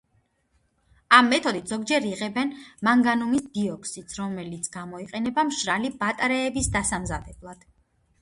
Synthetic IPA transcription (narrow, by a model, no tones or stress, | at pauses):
amːɛt̪ʰɔd̪it̪ʰz̥ɔɡd͡ʒɛɾiʁɛbɛnmaŋɡanumisd̪iɔkʰsit̪sʰɾɔmɛlit̪sʰɡ̥amɔiqʼɛnɛbamʃɾalibat̪ʼɾɛːbisd̪asamzad̪ɛblˠad̪̥